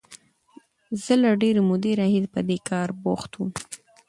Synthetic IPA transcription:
z̥əlaɖeɾemʊd̪eɾahedpəd̪ekɑɾboxt̪wum

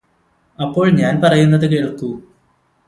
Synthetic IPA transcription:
ɐpːo̞ːɭɲaːnpɐrɐjunːɐðɨkeːɭkːu

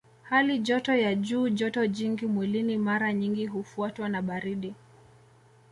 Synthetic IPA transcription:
haliʄɔtɔjaʄuːʄɔtɔʄiŋɡimwɛlinimaɾaɲiŋɡiɦufuatwanaɓaɾiɗi

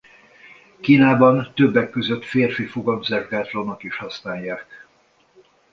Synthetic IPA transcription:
kiːnaːbɒnt̪øbːɛkːøzøt̪feːrfifuɡɒmzɛrɡaːt̪lonokiʃhɒsnaːjːaːk

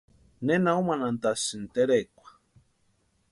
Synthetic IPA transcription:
nenaumanant̪asɨnt̪eɾekʷḁ

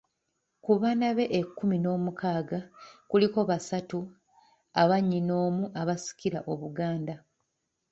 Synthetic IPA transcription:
kuβaːnaβe̞ʔekːumino̞ːmukaːɡakuliko̞βasatu | aβaɲːino̞ːmuʔaβasi̥kiɾaʔo̞βuɡaːnda

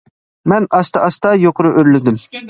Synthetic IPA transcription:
mɛnʔɑst̪ɑʔɑst̪ɑjoqʊɾʊʔøɾlɪd̪ym

